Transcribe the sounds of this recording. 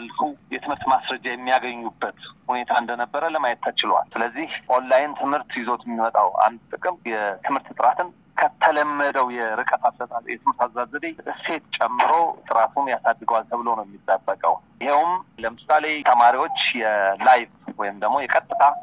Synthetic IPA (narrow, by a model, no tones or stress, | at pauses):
alfujɛt̪ʰɨmhɨɾt̪masɾəd͡ʒajɛmːijaɡəɲːubːət̪hune̞t̪ʰaɨnd̪ənəbːəɾələmajɛt̪̚t̪ːʰət͡ʃɪlwa̰lsɨləzːihʔo̞nlajɪnt̪ʰɨmhɨɾt̪jɪzo̞t̪jɛmːimət̪ʼa̰wa̰nd̪̚t̪ʼɨkʼɨmjɛt̪ʰɨmhɨɾt̪t̪ʼɨɾat̪ʰɨn | kʰət̪ʰələmːəd̪əwjɛɾɨkʼət̪ʰasət̪ajɛt̪ɨmhɨɾt̪azazədeʔɨse̞t̪t͡ʃʼɛmːɨɾo̞t̪ʼɨɾat̪ʰunjasad̪ːɨɡəwalt̪ʰəβɨləwnəwjɛmːit̪ʼːəbːəkʼə̰wjɪhewʊmləmɨsale̞t̪ʰəmaɾiwo̞t͡ʃːjɛlajvwɔjɪmd̪əɡmo̞jɛkʼət̪ʼːɨt̪ʰa